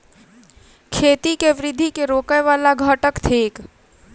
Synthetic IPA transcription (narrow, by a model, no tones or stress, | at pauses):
kʰeːt̪ikeʋɪɾɪd̪ʱːikeɾoːkəjʋaːlaɡʱaːʈəkt̪ʰeːk